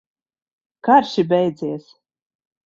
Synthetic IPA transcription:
kaɾʃibʲɛjd̪ziɛs

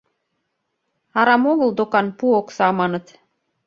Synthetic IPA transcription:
ɑɾɑmoɣɤ̆ld̪okɑnpuoksɑmɑnɤ̆t̪

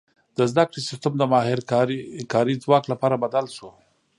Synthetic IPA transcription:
d̪̥əzd̪akɽisɪst̪amd̪əmɑɦɪɾkɾkɑɾid͡zwɑːklapɑːɾabad̪alʃo

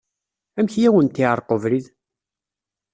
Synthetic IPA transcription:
æmçjæwənt̪ːiʕəɾˤqovɾið

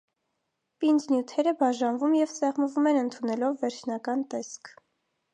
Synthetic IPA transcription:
pind͡znjut̪ʰɛɾəbɑʒɑnvumjɛvsɛʁməvumɛnənt̪ʰunɛlɔvːɛɾt͡ʃʰnɑkɑnt̪ɛskʰ

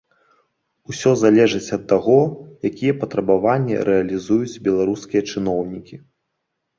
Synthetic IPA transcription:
usʲɔzalʲɛʐɨt͡sʲɐt̪ːaɣɔjakʲijɛpɐt̪ɾɐbavanʲːɛ̰ɾʔɛɐlʲizujut͡sʲbʲɛlˠaɾuskʲijɐt͡ʂɨnɔwnʲikʲi

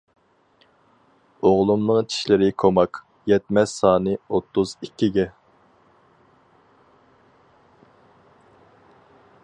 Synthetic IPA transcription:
oʁlˠumnɨŋt͡ʃʰi̥ʃlɪɾɪkʰomɑk | jɛt̪mɛssɑːnɨot̪ʰːuzikʲʰːiɡʲɛ

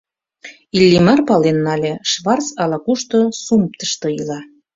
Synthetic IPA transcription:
ilʲːimɑrpɑlenːɑlʲeʃβɑrt͡sɑlɑkuʃt̪osump̚t̪ə̥ʃt̪ɤilɑ

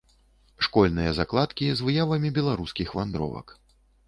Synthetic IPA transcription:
ʂkɔlʲnɨjɐzaklˠat̪kʲizvɨjavɐmʲibʲɛlˠaɾuskʲixvand̪ɾɔ̰vɐ̰k

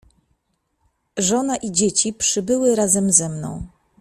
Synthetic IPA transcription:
ʐɔnaʔid͡ʑet͡ɕipʂɘbɘwɘɾazɛmzɛmnɔ̰̃w̃

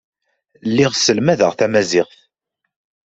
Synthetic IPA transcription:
lːɪʁsəlmæðəʁθæmæzɪʁθ

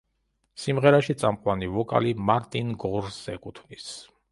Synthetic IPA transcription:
simʁɛɾaʃit̪sʼamqʼwanivɔkʼa̰limaɾt̪ʼinɡɔɾsɛkʼut̪ʰnis

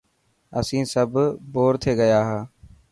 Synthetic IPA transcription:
əsĩːsəbboːɾt̪ʰeːɡəjaːɦaː

